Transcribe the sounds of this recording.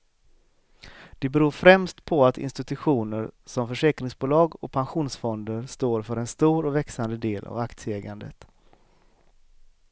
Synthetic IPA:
d̪̥ɛbɛɾuːɾfɾɛmst̪pʰɔat̪ɪ̰nst̪ɪt̪ɵɧuːnəɾsɔmfœʂɛːkɾɪŋsbuːlɑːɡɔk̚pʰanɧuːnsfɔnd̪əɾʂt̪oːɾfœɾɛnst̪uːɾɔvɛksand̪əd̪eːlʔa̰vakt̪sjəɛːɡand̪ə̰t̪

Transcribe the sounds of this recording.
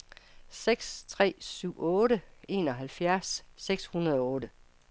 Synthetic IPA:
seɡ̥st͡sʰʁɛ̰ːsyʊ̰ɔ̽ːɾəe̝ːnɒ̽ɦælfjæɐsːeɡ̥shunɐð̞ˠɒɔ̽ːɾə

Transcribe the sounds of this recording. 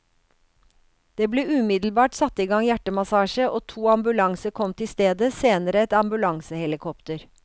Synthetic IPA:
d̪̥eːbleːʉːmɪd̪l̩bɑːʈsɑt̪ːiːɡɑŋjæʈəmɑsɑːʃəʔoːt̪ʰuːɑmbʉlɑŋsəkʰɔmt̪ʰɪst̪eːd̪əseːnəɾəɛt̪ɑmbʉlɑŋsəhɛlɪkʰɔpt̪əɾ

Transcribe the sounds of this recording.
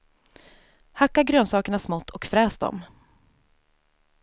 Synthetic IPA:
hakːaɡɾøːnsɑːkəɳasmɔt̪ʰːɔkfɾɛːsd̪ɔ̰m

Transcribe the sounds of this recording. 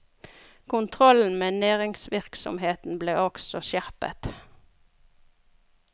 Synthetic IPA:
kʰʊnt̪ʰʁɔln̩meːnæːʁɪŋsʋɪʁksɔ̰mheːt̪n̩bleːɔksɔʃæʁpə̰t̪

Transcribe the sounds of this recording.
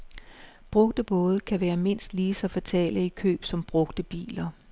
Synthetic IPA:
b̥ʁɔ̽ɡ̥d̥əb̥ɔ̽ːð̞ˠəkʰæʋæːɐme̝n̰sd̥liːsɒ̽fæt͡sʰɛ̰ːləikʰø̰ːb̥sɒ̽mb̥ʁɔ̽ɡ̥d̥əb̥ḭːlɐ

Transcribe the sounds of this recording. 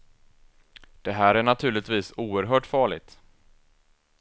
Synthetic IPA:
d̪̥ɛɦæːɾæɳat̪ʰʉ̟ːɭɪt̪viːsuːəɾɦœːʈfɑːɭɪ̰ɡ̚t̪

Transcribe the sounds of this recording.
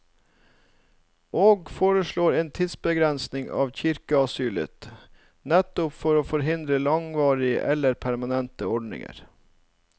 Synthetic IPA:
ʔoːɡfoːɾəʃɭoːɾeːnt̪ʰɪd̪sbəɡɾɛnsnɪŋɑ̰ːʋçɪɾkəɑsyːlə̰t̪ | nɛt̪ʊpfɔɾoːfɔɾɦɪnd̪ɾəlɑŋʋɑːɾɪə̰ʔɛlːəɾpʰæɾmɑnɛnt̪əɔɖnɪ̰ŋə̰ɾ

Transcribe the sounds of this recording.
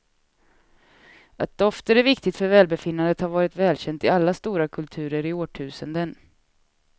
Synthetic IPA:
at̪̚d̪ɔft̪əɾæɾvɪkt̪ɪɡt̪fœɾvɛːlbɛfɪnːand̪ət̪haɾvɑːɾɪt̪vɛːlɕɛnt̪ɪalːast̪uːɾakʰɵlt̪ʰʉ̟ːɾəɾɪoːʈʰʉ̟ːsənd̪ən

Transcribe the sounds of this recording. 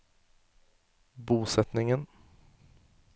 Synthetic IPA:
buːsɛt̪nɪŋən

